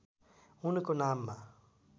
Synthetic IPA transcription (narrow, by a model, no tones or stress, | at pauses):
unikʊnamːa